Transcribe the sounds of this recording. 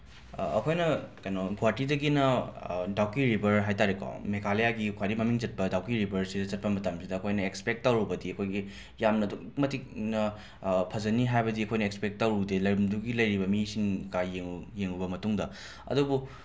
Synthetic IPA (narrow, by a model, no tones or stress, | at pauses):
ɐkʰojnɐkɐjnoɡwatidɐɡinɐdawkiɾibʱɐɾɦajtaɾekʰo̰mekʰalejaɡikʰwaɾimɐmiŋd͡ʒɐt̚pɐdawkiɾibʱɐɾsidɐzɐt̚pɐmɐtamsidɐːkʰojnɐekspek̚tːɐwɾubɐdiɐkʰojɡi | jamnɐdukmɐtik̚nɐ | pʰɐzɐniɦajbɐdiɐkʰojnɐekspek̚tɐwɾudelɐjɾɐmduɡilɐjɾibɐmisiŋkajeŋujeŋubɐmɐtuŋdɐ | ɐ̰dubu